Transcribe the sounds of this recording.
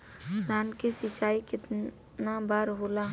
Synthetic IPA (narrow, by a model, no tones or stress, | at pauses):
naːnkesɪt͡ʃaːikɪt̪ | nabaːɾɦola